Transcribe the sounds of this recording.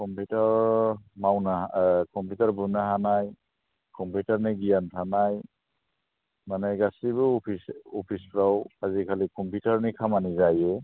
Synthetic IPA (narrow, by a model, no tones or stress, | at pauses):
kɔmputaɾmawnakʰɔmpjutaɾbunaɦanaj | kʰɔmputaɾniɡijantʰanaj | manajɡasibɯpʰisɔpʰispɾawazikʰalikʰɔmpjutaɾnikʰamanizajɛ